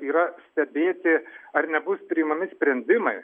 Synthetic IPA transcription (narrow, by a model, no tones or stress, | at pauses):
iːɾɐsʲt̪ʲɛbʲeːt̪ʲɪɐrnʲɛbʊspʲɾʲɪɪmɐmʲɪsʲpʲɾʲɛnʲd̪ʲɪmɐɪ